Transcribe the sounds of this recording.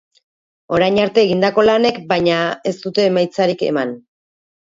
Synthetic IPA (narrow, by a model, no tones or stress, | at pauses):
o̞ɾajɲaɾt̪e̞ːɣind̪ako̞lane̞kbajɲae̞st̪ut̪e̞ːmajt͡saɾike̞̰man